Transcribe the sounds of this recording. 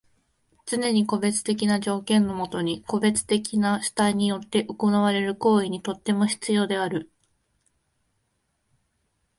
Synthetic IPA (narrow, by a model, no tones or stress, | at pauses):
t͡sɨne̞ɲ̟iko̞be̞t͡sɨ̥t̪e̞k̬ʲinaʑo̞ːkẽ̞nːo̞mo̞t̪o̞ɲ̟iko̞be̞t͡sɨ̥t̪e̞kʲinaɕɨ̥t̪aiɲ̟ijo̞t̪ːe̞ʔokonaβ̞aɾe̞ɾɯ̟ko̞ːiɲ̟it̪o̞t̪ːe̞mo̞çi̥t͡sɨjo̞ːd̪e̞aɾɯ̟